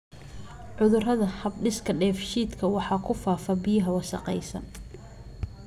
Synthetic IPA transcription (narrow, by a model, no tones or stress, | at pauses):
ʕʊðʊrɐðɐhɐbɖɪskʰɐɖɛːfʃiːd̪kʰɐwɑħɑːkʰʊfaːfɐbɪjɐɦɐwɑsɑ̰qɛjsɐ̰n